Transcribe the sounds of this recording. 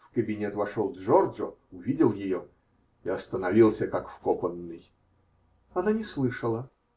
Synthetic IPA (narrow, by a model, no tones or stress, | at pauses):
fkəbʲɪnʲet̪vɐʂolˠʐɔrʐəʊvʲidʲɪlˠjɪjo | iɐst̪ənɐvʲilˠsʲəkakfkopənːɨj | ɐnanʲɪslˠɨʂəlˠə